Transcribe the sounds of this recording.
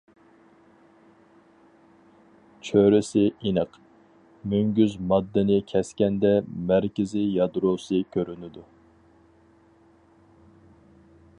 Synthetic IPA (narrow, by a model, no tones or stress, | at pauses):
t͡ʃʰøɾɪsɪinəq | myŋɡʲyzmɑd̪ːɨnɪkʲʰɛskʲɛnd̪ɛmæɾkʲɪzɪjɑd̪ɾosɨkʲʰøɾynɪd̪u